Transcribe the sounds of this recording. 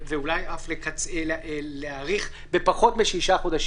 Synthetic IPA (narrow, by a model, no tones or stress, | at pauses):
veulajʔaflekat͡seleaʁiχ | bepaχo̞tmeʃiʃaχod̪aʃ